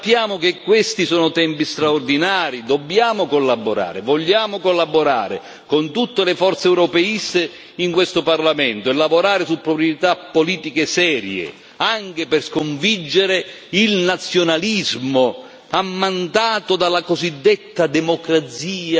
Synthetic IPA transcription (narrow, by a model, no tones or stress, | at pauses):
pːjaːmʊk̟ekːwest̪isɔːnʊt̪ɛmpist̪ɾaord̪inaːɾid̪ɔbːjaːmʊkolːaboɾa̰ːɾɪvɔʎːaːmʊkolːaboɾa̰ːɾɪ̰ | kʊnt̪ut̪ːelɪfɔrt̪seɛwɾɔpɛist̪e | iŋkwest̪ʊparlamɛnt̪ʊɛlːavʊɾaːɾɪsupːɾopɾjet̪apːoliːt̪ikesɛːɾjḛ | aŋk̟ɪpɪrskoɱvid͡ʒːeɾe | ilnat̪sːjonalizmʊ | amːant̪aːt̪ʊd̪alːakozid̪ːet̪ːad̪ɛmɔkɾat̪siːa